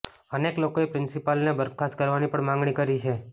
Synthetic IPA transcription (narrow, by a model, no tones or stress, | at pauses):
əneklokoepɾɪnsipalnebəɾkʰaskəɾʋanipəɳmãŋɡɳikəɾit͡ʃʰe